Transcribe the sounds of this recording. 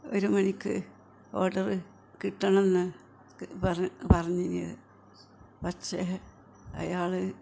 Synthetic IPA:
o̰ɾumɐnikʲːɨ̰ | o̞ːɖɐrɨ | kiʈːɐɳɐ̃menːɨ | pɐrpɐrɐɲːinḭðɨ̰ | pɐtɕe | ɐ̰jaːɭɨ

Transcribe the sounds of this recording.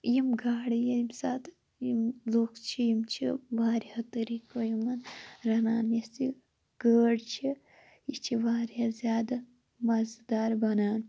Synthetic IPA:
jimɡʱaːɽijimsaːt̪ | jimzoːkʰt͡ʃʰijimt͡ʃʰibaːɾiɐt̪əɾikojimɐnɾɐnaːnjɐsi | ɡ̥əːɽt͡ʃʰi | it͡ʃʰiʋaːɾjazʲjaːd̪a | mɐzd̪aːɾbɐnaːn

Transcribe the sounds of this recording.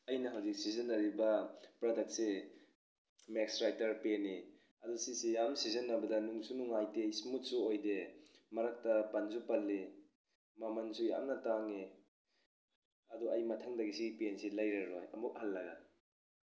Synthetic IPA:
ɐjnɐɦawzik̚sizɐnɐɾibɐpɾɔdek̚t̚se | mek̚sɾajtɐɾpeni | ɐdusisijamsizɐnːɐbɐdɐnuŋsunuŋajteismut̚suojdemɐɾak̚tɐpanzupalːe | mamansuja̰mnɐtaŋe | ɐdɔɐjmɐtʰaŋdɐɡisiɡipensilɐjɾaɾojɐ̰muk̚halːɐɡɐ̰

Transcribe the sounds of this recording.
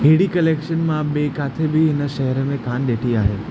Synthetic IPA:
ɦeːɽikɐleːkʃənmãɓeːkaːt̪ʰebɪɦɪnə̆ʃɐɦəɾəmẽkaːnɗeːʈʰiaːɦeː

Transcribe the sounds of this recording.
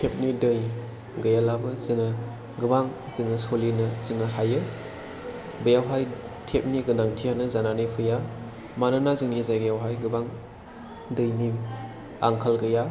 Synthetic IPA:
tʰep̚nidɯj | ɡɯjalabɯzɯŋɯ | ɡɯbaŋ | zɯŋɯsolinɐzɯŋɯɦajɯ | bɯjawɦaj | tʰep̚niɡɯnaŋtʰijanɯzananɯpʰɯja | manɯnazɯŋnizajɡɯjawɦajɡɯbaŋ | dɯjni | a̰ŋkʰalɡɯja

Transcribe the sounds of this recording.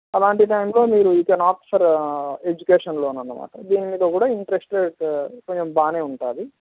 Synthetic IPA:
ɐlaːɳʈiʈɐjmlo̞ːmiːɾuikɐnaːpi̥sɐɾe̞d͡ʒukeːʂɐnloːunːɐnːɐma̰ːʈɐd̪iːnimiːd̪ɐkuːɽaːiɳʈɐɾesʈeɖkoɲt͡ʃembaːneːuɳʈaːd̪i

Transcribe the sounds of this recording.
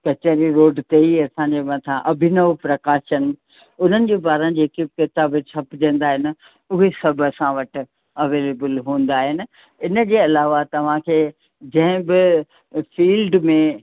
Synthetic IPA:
kɐt͡ɕəɾiɾoːɖt̪eiɐsãːɲd͡ʑemɐ̃t̪ʰãʔɐbʱɪnəʋpɾɐkaːʃən | ʊn̤ənɪ̆d͡ʑeːbaːɾə̃n̆d͡ʑeːkikɪt̪aːbt͡ɕʰɐpd͡ʑɐ̃nd̪aːɦɪnɪ̆ | ʊɦesɐbʱəsãʋɐʈ̆ | ɐʋeːleːbəlɦũːn̆d̪aːɦɪnɪ̆ | ɪnə̆kʰeːɐlaːʋat̪ɐʋ̤ãkʰeː | d͡ʑɐ̃ɦɪ̃bɪ | fiːlɖmẽ

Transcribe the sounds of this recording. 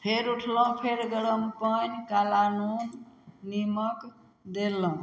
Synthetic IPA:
pʰeɾuʈʰləũpʰeɾɡəɽəmpəɲkalanu | nimək | d̪elə̃

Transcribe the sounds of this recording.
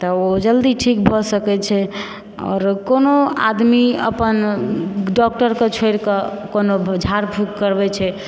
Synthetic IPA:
t̪ɔod͡ʒəld̪iʈʰikbʱɔsəkɛt͡ʃʰɛ | ɔ̰ːɾkonoa̰d̪miə̰pən | ɖɔk̚ʈəɾket͡ʃʰoɪɾkɔkonod͡ʒʱaɾbʰʱukːəɾbɛt͡ʃʰɛ

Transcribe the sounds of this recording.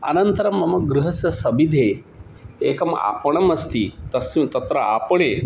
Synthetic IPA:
ɐ̰nɐnt̪ɐɾɐmɐmɐɡɾuɦɐsjɐsɐbid̪ʱe | ekɐma̰pɐɳ̃ɐmɐst̪it̪ɐsit̪ɐt̪ɾɐʔapɐɳe

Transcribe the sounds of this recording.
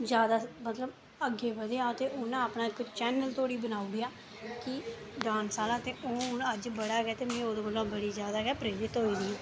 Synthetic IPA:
zjaːd̪aːmət̪ləb | əɡeːbəd̪eaːt̪eːʔoñːaːpnaːɪkt͡ʃɛːnəlt̪oːɽiːbənaːuːɡɪaː | kɪ | ɖãːnsaːlãːt̪eːoːʊnəd͡ʒbəɽaːɡɛːt̪eːmẽːoːd̪oːbəlõːbəɽiːzjaːd̪aːɡɛːpɾeːɾɪt̪ɦoːiːdiː

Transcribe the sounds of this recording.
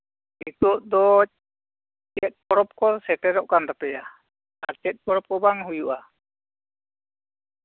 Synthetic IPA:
it̪ɔʔd̪ɔ | t͡ʃɛt̪̚ˀkɔɾɔp̚kɔsɛʈɛɾɔʔkand̪apɛja | aɾt͡ʃɛt̪̚kɔɾɔp̚kɔbaŋɦujuʔa

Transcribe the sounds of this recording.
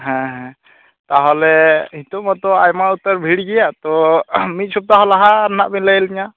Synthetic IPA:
ɦɛ̃ɦɛ̃ | t̪aɦɔlɛhit̪ɔmɔt̪ɔajmaut̪əɾbʱiɽɡɛjat̪ɔmit̪̚t͡ʃʰup̚t̪aɦɔlaɦaːɾnaʔbinləjliɲa

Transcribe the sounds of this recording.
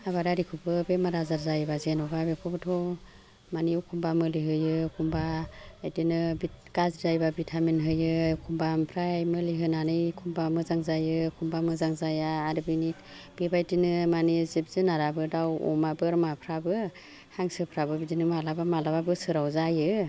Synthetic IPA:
aβaɾaɾikʰubɯbemaɾazaɾzajbazenɔbabekʰubɯtʰɔ | maniukʰumbamɯliɦɯjɯkʰumbaajtinɯbikazzajbabitʰamenɦɯjɯkʰumbampʰɾajmɯliɦɯnanɯjkʰumbamɯzaŋzajɯkʰumbamɯzaŋzajaːɾɯbinit̚ | b̥ebajdinɯmanizib̚zɯnaɾabɯdawɔ̰mabɯɾmapʰɾabɯ | haŋsɯpʰɾabɯbidinɯmalabamalababɯsɯɾawzajɯ

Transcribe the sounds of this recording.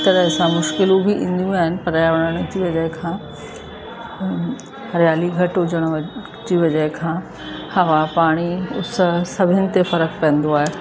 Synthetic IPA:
t̪ɐɾəɦsãmʊʃkɪlũbʱiʔḭ̃ːn̆d̪jũaːɦɪnɪ̆pɐɾñəɽ̃d͡ʑiʋɐd͡ʑəɦɪkʰãː | ɾjaːliɡʱɐʈʊd͡ʑəɽ̃ | d͡ʑiʋɐd͡ʑəɦɪkʰãː | hɐʋapaːɽ̃iʊssɐbʱɪnɪ̆t̪efɐɾəkpɐə̃nd̪oaːɦeː

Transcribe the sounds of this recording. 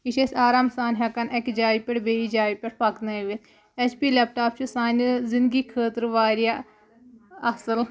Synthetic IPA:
iʃesʲaːɾaːmsaːnɦʲɐkɐnekd͡ʒaːipʲeʈbeːid͡ʒaːipʲeʈpʰɐk̪nɐʋit̪ʰ | ɛt͡ʃʰpiːleːp̚ʈaːpt͡ʃʰusaːnzɪnd̪ɡiːkʰəːt̪ɾʋaːɾja | ɐsəl

